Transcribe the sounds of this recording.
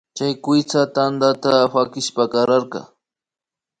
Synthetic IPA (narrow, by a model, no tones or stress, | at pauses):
t͡ʃajkʷɪt͡sat̪and̪at̪aɸakɪʃpakɑɾaɾqɑ̰